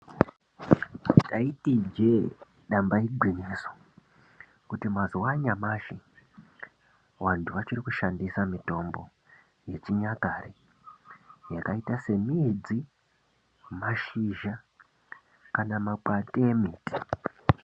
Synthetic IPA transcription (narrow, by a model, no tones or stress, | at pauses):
taitid͡ʒe̞ | ɗambaiɡʱwiniːso̥ | kutimazuwaɲamaːʃi | wantʰuʋat͡ʃirikuʃandisamito̞mbo̞̰ | je̞t͡ʃiɲakaːre | jakaitase̞miːd͡zi | maʃiʒa | kanamakateemiːti̥